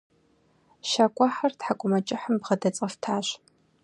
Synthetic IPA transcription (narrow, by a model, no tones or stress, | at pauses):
ʃaːkʷʼaħɐrtħakʷʼʊmɐt͡ʃʼɪħəmbʁɐdɐt͡sʼɐftʰaːɕ